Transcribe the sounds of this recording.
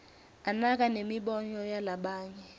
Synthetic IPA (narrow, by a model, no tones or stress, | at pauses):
anak̬ʼanemiɓɔɲɔjalaɓaːɲɛ